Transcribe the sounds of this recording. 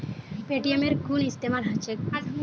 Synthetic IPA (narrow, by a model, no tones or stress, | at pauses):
peʈiemeɾɡunist̪emaɾɦat͡ɕʰek